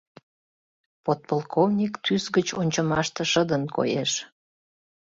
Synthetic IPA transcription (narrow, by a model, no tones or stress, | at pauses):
pot̪̚polˠkʰovnʲikt̪ʰysɡət͡ɕonʲt͡ɕəmɑʃt̪ə̆ʃəd̪ənko̰jeʃ